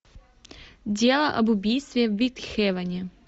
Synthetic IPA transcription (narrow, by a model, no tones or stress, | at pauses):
dʲelˠəʔɐbʊbʲijst̪vʲɪvʲit̪xʲɛvɐnʲɪ